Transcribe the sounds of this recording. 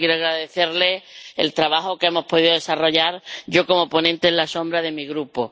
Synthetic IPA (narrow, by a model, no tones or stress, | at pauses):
jeɾoaɣɾaðeθe̞ɾle̞ḛlt̪ɾaβahokeemo̞spo̞ðiðoðesaro̞ʎaɾɟ͡ʝo̞ko̞mo̞po̞nẽnt̪eːlasõ̞mbɾaðe̞miɣɾupo